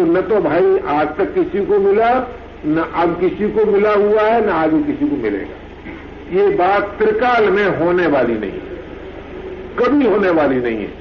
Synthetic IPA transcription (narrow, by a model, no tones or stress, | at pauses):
t̪onɐt̪obʱaːiʔaːd͡ʒt̪ɐkːɪsikomɪla | nɐʔɐbkɪsikomɪlaɦuaɦɛnɐaːɡikɪsikomɪlḛːɡa̰ː | jebaːt̪̚t̪ɾɪkaːlmẽɦoːneʋaːlinɐ̰ɦḭ̃ɦɛ | kɐbʱiɦoːneʋaːlinɐ̰ɦḭ̃ɦɛ̰ː